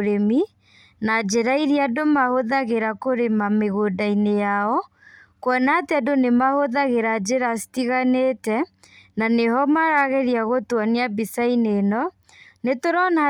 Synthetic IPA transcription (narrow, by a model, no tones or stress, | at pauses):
ɾemi | nad͡ʒeɾaiɾiadomahoðaɣeɾakoɾemameɣodainejaɔ | kwɔnateadonemahoðaɣeɾad͡ʒeɾasi̥tiɣanetɛ | naneɦɔmaɾaɣeɾiaɣotwaneabisainenɔ | netoɾɔna